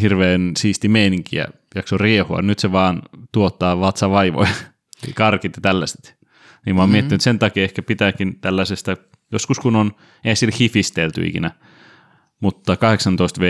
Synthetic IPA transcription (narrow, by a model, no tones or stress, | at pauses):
hirʋeːnsiːst̪imeiniŋkḭæ̰ | jɑksoriehuɑ̰nyt̪seʋɑːnt̪uot̪ːɑːʋɑt̪sɑʋɑiʋo̰i | kɑrkit̪jɑt̪ælːæse̥t̪ | niːmɑːmiet̪ːinyt̪sent̪ɑkiehkæpit̪æːkint̪ælːæsest̪æ | joskuskunon | ehæsilhifist̪elt̪y̰ḭkḭnæ | mut̪ːɑkɑheksɑnt̪oist̪ʋe